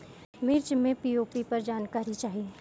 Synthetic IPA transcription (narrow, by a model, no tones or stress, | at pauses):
mɪɾt͡ʃmẽpiːoːpipɐɾd͡ʒaːnkaːɾit͡ʃaːɦiẽ